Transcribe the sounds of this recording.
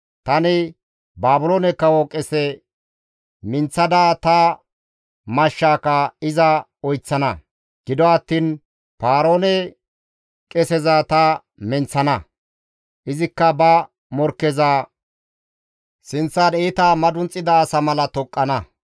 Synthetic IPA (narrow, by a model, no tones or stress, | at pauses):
t̪ɐnɪ | baːbʊloːnɛkːɐwɔkʼɛsɛ | mɪnt͡sːɐd̪aːt̪ɐ | mɐʃːaːkɐɪzɐ | ɔjt͡sːɐnɐ | ɡ̥ɪd̪ɔɐt̪ːiːn | paːɾoːnɛ | kʼɛsɛzɐt̪ɐ | mɪnt͡sːɐnɐ | ʔɪzɪkːɐbɐ | mɔɾkːɛza | sɪnt͡sːaneːt̪aːmɐd̪ʊnt͡sʼːɪd̪ɐːsɐmɐlɐt̪ɔkʼːɐnɐ